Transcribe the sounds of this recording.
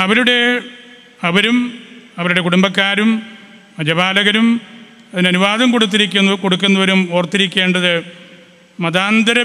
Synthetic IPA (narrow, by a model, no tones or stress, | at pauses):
ɐʋɐɾuɽe̞ | ɐʋɐɾumɐʋɐɾuɽe̞kuɽumbɐkːaːɾum | ɐd͡ʑɐbaːlɐɣɐɾum | ɐðinɐnuʋaːðɐmko̞ɽut̪̬ːiɾikʲːunːɐko̞ɽukːunːɐʋɐɾumoːrt̪ːiɾikʲːe̞ːɳɖɐðɨ | mɐðaːnd̪ʱɐɾɐ